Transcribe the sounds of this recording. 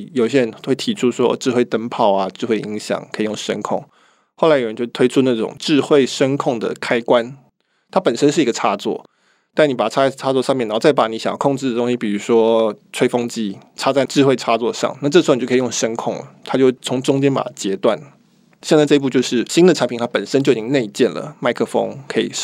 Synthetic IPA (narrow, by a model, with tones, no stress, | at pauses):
jo˨˩ʊi˥ɕjɛ˥ɻə˧˦nxwe˥˩ɪt̪ʰi˨˩ʈ͡ʂʰu˥ʂwɔ̰˦ʈ͡ʂɻ̩˥˧xwe˥˩ɪt̪ə˥npʰɑ˥˩ʊa˩ʈ͡ʂɻ̩˥˧xwe˥˩ɪʔi˧˥ŋɕjɑ̰˨˩˦ŋkʰə˧˥i˨˩jʊ˥˩ŋʂə̰˥nkʰʊ̰˥˩ŋ | xo˥˩ʊa˥jə˧˦t͡ɕjt̪ʰwe˥ɪu˥˧na˥˩ʈ͡ʂʊ̰˨˩ŋʈ͡ʂɻ̩˥˧xwe˥˩ɪʂə˥nkʰʊ˥˩ŋd̪ə̰˩kʰa˥ɪkwa˦n | t̪ʰa˥pə˨˩nʂə˦˥nʂɻ̩˥˩i˧˥ɡə˨˧ʈ͡ʂʰa˥˧t͡swɔ̰˥˩ | t̪a˥˩nni˨˥pa˨˩ʈ͡ʂʰa˥ʈ͡ʂʰa˥˩t͡swɔ˧ʂɑ˥˧ŋmɛ˥˩n˧˥˩t͡sa˥˩ɪpa˧˥˩ni˧˥ɕɑ˨jɑ˥˩kʰʊ˥˧ŋʈ͡ʂɻ̩˥d̪ə˩t̪ʊ˥ŋɕi˥pi˨˩ɻu˧˥ʂwɔ˥ʈ͡ʂʰwe˥ɪfo˥ŋt͡ɕi˥˩ʈ͡ʂʰa˥t͡sa˥˧ɪʈ͡ʂɻ̩˥˧xwe˥˩ɪʈ͡ʂʰa˥t͡swɔ˥˧ʂɑ̰˨˩ŋna˥˩ʈ͡ʂɤ˥˩˧kʰjo˥˩ʂə˥nkʰʊ˥˩ŋlə̰˩t̪ʰa˥t͡ɕo˥˧ʊwt͡sʰʊ˧˥ŋʈ͡ʂʊ˥ŋt͡ɕjɛ˥npa̰˨˩t͡ɕjɛ˧˥t̪wa̰˥˩n | ɕjɛ˥˧nt͡sʈ͡ʂɤ˥˧i˧pu˥˧t͡ɕjo˥˧ʊʂɻ̩˥˩ɕi˥ŋd̪ə˨ʈ͡ʂʰa˧˥mpi˨˩a˥pə˨˩nʂə˥nt͡ɕjo˥˩ʊi˨˩t͡ɕi˥ŋne˥˧ɪt͡ɕjɛ˥˩nlə̰˩ma˥˧ɪkʰɤ˥˧fo̰˥ŋkʰɤ˧˥ḭ˨˩